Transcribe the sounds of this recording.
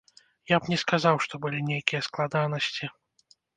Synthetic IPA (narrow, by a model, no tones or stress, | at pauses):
jabnʲɛskazawʂt̪ɔbɨlʲinʲejkʲijɐsklˠad̪anɐsʲt͡sʲi